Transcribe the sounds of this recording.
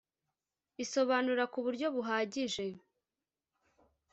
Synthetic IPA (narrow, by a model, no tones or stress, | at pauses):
iso̞βaːnuɾakuβuɾɟo̞βuɦaːɟiʒe̞